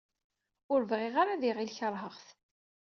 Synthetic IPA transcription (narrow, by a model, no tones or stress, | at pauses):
ʊɾvʁeʁaɾaðiʁilçəɾˤɦəʁθ